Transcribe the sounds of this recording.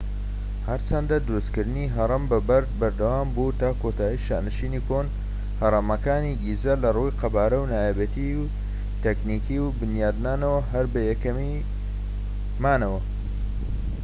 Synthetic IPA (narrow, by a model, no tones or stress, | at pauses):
hɐɾt͡ʃʰɐnd̪ad̪ʊɾuskɨɾd̪ɨniɦɐɾˤɐmbɐbɐɾd̪̚bɐɾd̪ɐwaːmbut̪aːkot̪ʰaːjiʃa̰ːnɨʃiːnikʰon | hɐɾˤɐmɐkaːniɡizɐlɐrujqʰɐbaːɾɐwnaːjebet̪iw | t̪eknikiwbɨnjaːd̪naːnɐwɐɦɐɾbɐjɛkɐmi | maːnɐwɐ